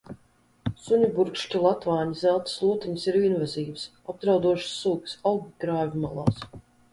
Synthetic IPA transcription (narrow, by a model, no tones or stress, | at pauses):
suɲubuɾkʃcilˠat̪vaːɲizælˠt̪slˠuɔt̪iɲisiɾiɛnvaziːvs | ab̚d̪ɾawd̪uɔʃsːuːksawɡʲiɡɾaːvʲimalˠa̰ːs